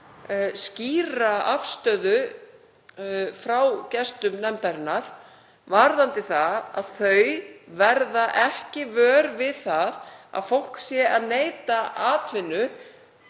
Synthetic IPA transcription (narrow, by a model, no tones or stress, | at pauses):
sciːraafst̪œːðʏ | fɾawcɛst̪ʏmnɛmt̪aɾɪnːaɾ̥ | vaɾðant̪ɪθaa̰ðθœɥvɛɾðaʔɛhcɪvœːɾvɪðθaða̰ðfowl̥ksjɛʔaðneːjt̪aaːt̪vɪnːʏ